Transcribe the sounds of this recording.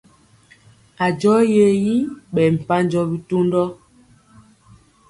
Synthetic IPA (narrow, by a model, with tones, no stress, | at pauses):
a˨d͡ʒɔ˦je˨ji˦ɓɛ˨m̩˨pa˦n˦d͡ʒɔ˦bi˦to˦ndɔ˦